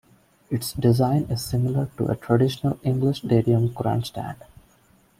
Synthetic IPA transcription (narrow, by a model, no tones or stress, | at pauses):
ɪʈsɖɪzãɪ̃nɪzsɪ̃mɪləɾʈṵʔə̰ʈʰɾəɖɪʃənəlɪ̃ŋɡlɪʃɖeːɖiə̃mɡɾæ̰̃nsʈæ̰̃ɳɖ